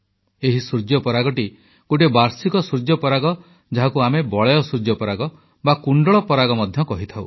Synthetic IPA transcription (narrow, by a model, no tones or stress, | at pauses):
eɦisɾud͡ʒjɔpɔɾaɡɔʈi | koʈebaɾsikɔsɾud͡ʒjɔpɔɾaɡɔ | d͡ʒaɦakuamebɔɭeɔsɾud͡ʒjɔpɔɾaɡɔ | bakuɳɖɔɭɔpɔɾaɡɔmɔd̪ʱjɔkɔɦit̪ʰaw